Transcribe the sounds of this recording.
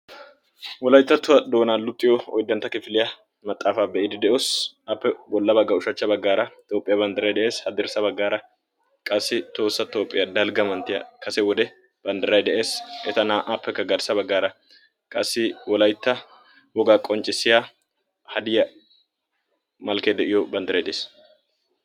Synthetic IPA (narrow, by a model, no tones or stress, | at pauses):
wɔlɐjt̪ːɐt̪ːʊwɐd̪o̞ːnaːlʊt̪ʼːɪjɔɔ̰jd̪ːɐnt̪ːɐkɪfɪlɪjɐ | mɐt̪ʼːaːfaːbɛʔɪd̪ɛd̪ɛʔoːsɐpːɛwɔlːɐbɐɡːɐʊʃɐt͡ʃːɐbɐɡːaːɾɐt̪ʼoːpʼːɪjɐbɐnd̪ɪɾɐjd̪ɛʔe̞ːshɐd̪ɪɾsɐbɐɡːaːɾɐ | kʼɐsːɪt̪o̞ːsːɐt̪oːpʼːɪjɐd̪ɐlɡɐmɐnt̪ːɪjɐ̰kɐsɛwɔd̪ɛ | b̥ɐnd̪ɪɾɐjd̪ɛʔeːsʔɛt̪ɐnaːʔɐpːɛkːɐɡɐɾsɐbɐɡːaːɾɐ | kʼɐsːɪwɔlɐjt̪ːɐ | bɔɡaːkʼɔnt͡ʃʼɪsːɪja | hɐd̪ɪjɐ | mɐlkeːd̪ɛʔɪjɔbɐnd̪ɪɾɐjd̪ɛʔeːs